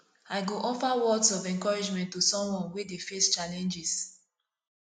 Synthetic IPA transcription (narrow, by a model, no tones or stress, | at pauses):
aɪɡoʔɔfawɔdsɔvɛ̃nkɔɹid͡ʒmɛ̃ntːosɔ̃mwɔ̃nwedefest͡ʃalɛ̃nd͡ʒis